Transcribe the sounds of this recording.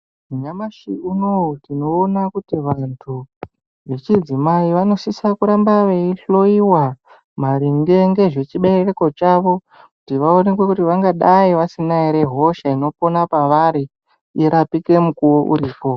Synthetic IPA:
uɲamaʃiunotino̞ːnakutiʋantʰu | ʋe̞t͡ʃid͡zimaiʋano̞sisakuɾambaʋe̞iɬo̞iwa | maɾiŋɡe̞ŋɡe̞ʐe̞t͡ʃiɓe̞rereko̞t͡ʃaʋo̞ | kutiʋaonekwe̞kutiʋaŋɡaɗaiʋasinaiɾe̞ɦo̞ʃaino̞po̞napaʋaɾi | iɾapike̞mukuwoʔṵɾiːpo̞

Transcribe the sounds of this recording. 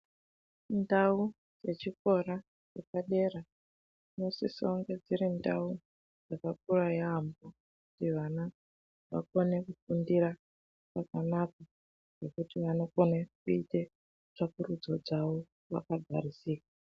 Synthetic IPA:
ndau | je̞t͡ʃiko̞ɾa | jepaɗe̞ɾa | no̞sisoŋɡe̞d͡ziɾendau | d͡zakak̚urajaɦambo | kkutiʋana | ʋa̰ko̞ne̞kufundiɾa | pakanaka | ʐe̞kutiʋano̞ko̞nekuite̞ | ʐakurud͡zo̞d͡zaʋo | ʋa̰kaɡʱa̰ɾisiːka

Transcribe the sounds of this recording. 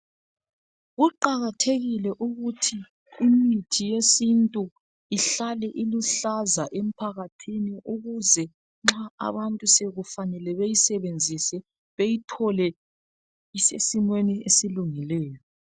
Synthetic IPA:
ɣuǃaɣatʰeɣilɛʔuɣutʰi | imitʰijesintʼu | iɬalɛʔiluɬazaʔem̩pʰaɣatʰiniʔuɣuzɛ | ŋ͡ǁaa̰βantʼuseɣufanɛlɛβejisɛβend͡zʱisɛ | βejitʰɔlɛ | isesimweniesiluŋilɛːjɔ

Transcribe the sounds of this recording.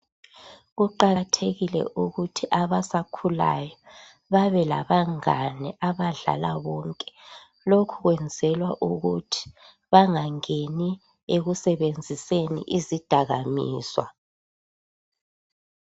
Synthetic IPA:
ɣuǃatʰeɣilɛ̰ʔuɣutʰiʔaβasakʰula̰jɔ | βaβɛla̰βaŋanɛʔaβaɮa̰laβɔŋkʼɛ̥ | lokʰuɣwɛnd͡zʱɛlwaʔuɣutʰi̥ | βaŋaŋeni | eɣusɛβend͡zʱisenḭʔizid̥ʱaɣamḭːswa̰

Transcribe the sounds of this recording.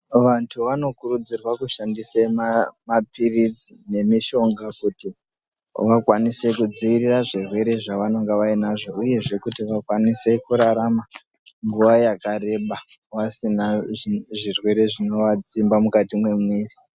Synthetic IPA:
ʋantʰuʋano̞kuɾud͡zirwakuʃandisemamapirid͡zine̞miʃo̞ŋɡakuti | ʋakwanise̞kud͡ziʋiriraʐirwe̞ɾe̞ʐaʋano̞ŋɡeʋainaʐo̞uje̞ʐe̞kutiʋakwanise̞kuɾaɾama | ŋɡuʋajakaɾe̞ɓa | wasinaʐirwe̞ɾe̞ʐino̞ʋad͡zimbamukatimwe̞mwiːri

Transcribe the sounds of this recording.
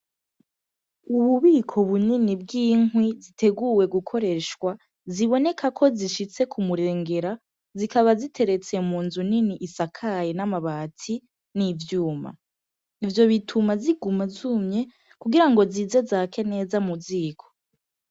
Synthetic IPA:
uβuβiːkʰo̞βuninib̚ɡiːŋwizitʰe̞ɡuwe̞ɡukʰo̞ɾe̞ʃwa | ziβo̞ne̞kʰakʰo̞ziʃit͡se̞kumuɾe̞ːŋɡe̞ɾa | zikaβazitʰe̞ɾe̞t͡se̞muːnzuniniʔisakʰajenamaβaːtʰi | nivjuːma̰ | ivjo̞βitʰumaziɡumazumɲe̞ | kuɡiɾaŋɡo̞ziːze̞zake̞ne̞ːzamuziːkʰo̞̥

